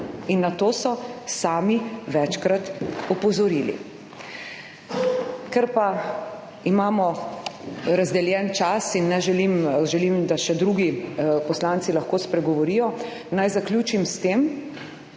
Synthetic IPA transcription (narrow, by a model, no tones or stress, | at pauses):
inːat̪oːsɔsaːmiʋɛt͡ʃkɾat̪ɔpɔzɔɾiːlḭ | kɛɾpa | imaːmɔ | ɾazd̪ɛljɛnt͡ʃasinːɛʒɛlimʒɛlimd̪aʃɛd̪ɾuɡipɔslansilɐxkoːspɾɛɡɔʋɔɾijɔ | najzakljuːt͡ʃimst̪eːm